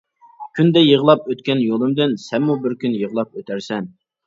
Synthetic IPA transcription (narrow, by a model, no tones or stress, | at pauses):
kʲʰynd̪ɛjəʁlˠɑpøt̪kʲɛnjolˠɨmd̪ɪnsɛnmubɪɾkʲynjəʁlˠɑp̚øt̪ʰæɾsɛn